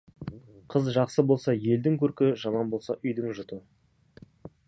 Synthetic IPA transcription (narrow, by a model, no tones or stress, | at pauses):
qʰəzʒɑqsəbo̞lˠsɑje̞ld̪ɪŋkʲʰɵɾkʲɪʒɑmɑnbo̞lˠsɑʔʏjd̪ɪŋʒʊt̪ə